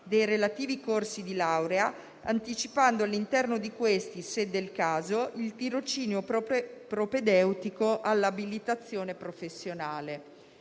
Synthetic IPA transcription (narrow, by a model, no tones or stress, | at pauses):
d̪ejɾelat̪iːvikorsid̪ilawɾea | a̰nt̪it͡ʃipand̪oalːint̪ɛrnod̪ikwest̪ised̪elkaːzoʔilt̪iɾot͡ʃiːnjopɾoped̪ɛwt̪ikoʔalːabilit̪at̪sːjoːnepɾofesːjonaːle